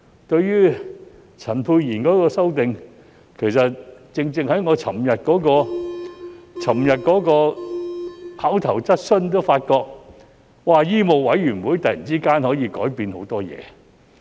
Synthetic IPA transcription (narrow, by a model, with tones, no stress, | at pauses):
t̪ɵ˧ɥjyː˥ | t͡sʰɐ˨˩npʰuː˧jjiː˨˩nkɔː˨˥kɔː˧sɐ˥wt̪ɪ˨ŋ | kʰe˨˩jsɐ˨t̚t͡sɪ˧ŋt͡sɪ˧ŋhɐ˨˥jŋɔː˨˧t͡sʰɐ˨˩mjɐ˨t̚kɔː˨˥kɔː˧ | t͡sʰɐ˨˩mjɐ˨t̚kɔː˨˥kɔː˧ | haː˨˥wt̪ʰɐ˨˩wt͡sɐ˥t̚sɵ˥nt̪̬o˥wfaː˧t̚kɔː˧k̚ | waː˨jiː˥mo˨wwɐ˨˥jɥyː˨˩nwuː˨˥jt̪ɐ˨ji˨˩nt͡siː˥kaː˥nhɔː˨˥jiː˨˧kɔ̰ː˨˥jpiː˧nho˨˥wt̪ɔː˥jɛ̰ː˨˧